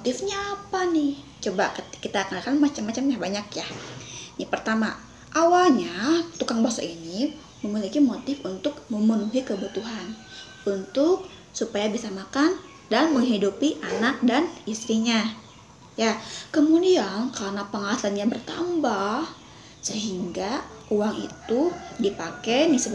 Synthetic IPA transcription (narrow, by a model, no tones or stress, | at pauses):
mot̪ɪfɲaːpanɪht͡ʃobakəkːit̪aːkanakanmat͡ʃamːat͡ʃamjabaɲakjahnipərt̪ama | ʔawalɲat̪ukaŋbasa̰ʔini | məmilikimot̪ɪfunt̪ʊk̚məmənuɦikəbut̪uɦan | unt̪ʊk̚ | supajabisamakan | danməŋɦidupiʔanak̚danist̪ɾiɲa | jakəmudiankarnapəŋalasanɲabərt̪a̰mbah | səɦiŋɡauwaŋḭt̪udipakenisə